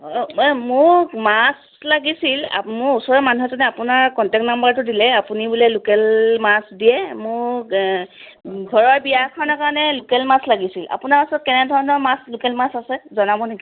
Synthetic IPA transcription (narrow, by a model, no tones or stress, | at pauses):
mʊɹmas | laɡisila̰mʊɹusɔɹɛmanuɦɛzɔnɛapunaɹkɔntɛk̚tnambaɹtʊdilɛapunibulɛlʊkɛlmasdijɛmʊɹ | ɡʱɔɹɔɹbijakʰɔnɔkaɹɔnɛlʊkɛlmaslaɡisila̰pʊnaɹasɔt̚kɛnɛdʱɔɹɔnɔɹmaslʊkɛlmasasɛzɔnabɔniki